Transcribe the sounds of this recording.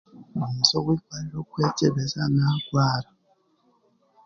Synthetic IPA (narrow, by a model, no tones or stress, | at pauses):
musokwikwaɾiɾokweceβezanakwaːɾa